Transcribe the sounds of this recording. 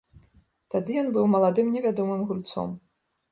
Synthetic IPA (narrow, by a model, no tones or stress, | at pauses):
t̪ad̪ɨjɔnbɨwmɐlˠad̪ɨmnʲɛvʲad̪ɔmɨmɣulʲt̪sɔ̰m